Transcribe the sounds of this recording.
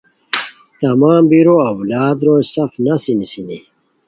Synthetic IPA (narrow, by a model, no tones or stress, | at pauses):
t̪ɐmaːmbiɾoɐwlaːd̪ɾoːjsɐfnɐsinisini